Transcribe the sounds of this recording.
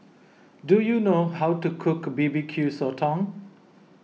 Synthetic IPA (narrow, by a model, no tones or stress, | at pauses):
dujunoɦawtukʰʊkbibikʰjusɔtʰɔ̃ŋ